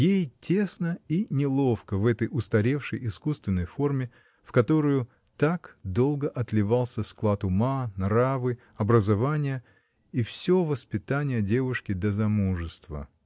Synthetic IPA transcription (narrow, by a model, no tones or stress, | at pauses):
jejtʲe̞snəinʲɪlˠo̞fkəvɛt̪əjʊst̪ɐɾʲe̞fʂəjɪskust̪vʲɪnːəjfo̞rmʲɪ | fkɐt̪o̞ɾəjʊ | t̪akd̪o̞lˠɡəʔɐt̪lʲɪvalˠsʲəsklˠat̪ʊmanravɨ | ɐbɾəzɐvanʲɪjə | ifsʲovəspʲɪt̪anʲɪjədʲe̞vʊʂkʲɪd̪əzɐmuʐɨst̪və̰